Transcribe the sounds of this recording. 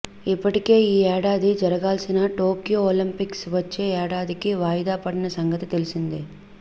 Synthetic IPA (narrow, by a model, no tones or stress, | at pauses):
ipːɐʈike̞ːiːɛːɽaːd̪id͡ʒɐɾɐɡaːlsinɐʈoːkijoolimpiksʋɐt͡ʃːe̞ːɛːɽaːd̪ikiʋaːjid̪aːpɐɽinɐsɐŋɡɐt̪it̪e̞lisind̪i